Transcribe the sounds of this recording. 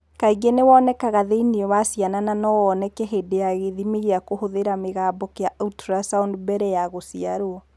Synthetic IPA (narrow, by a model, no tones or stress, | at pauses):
kaiɡenewɔːnɛkaɣaðeineɔwasianananɔwɔnɛkɛɦeːdejaɣeðimeɣiakohoðeɾameɣaːbɔkjautɾasaundbɛɾɛjaɣosiaɾoɔ